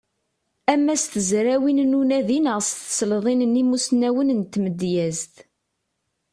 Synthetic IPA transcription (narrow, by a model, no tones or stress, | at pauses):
æmːæst̪əzɾæwinnunæðinəʁst̪slðˤinənimusnæwənənt̪ːməd̪jæzt̪